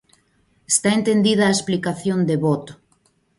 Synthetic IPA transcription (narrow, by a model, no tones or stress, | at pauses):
e̥st̪aent̪end̪ið̞ɐːesplikaθjond̪eβot̪o̥